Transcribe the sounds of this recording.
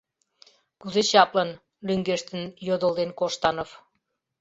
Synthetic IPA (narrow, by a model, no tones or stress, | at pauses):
kyzeɕɑplən | lyŋɡeʃt̪ənjod̪əlˠd̪enkoʃt̪ɑnof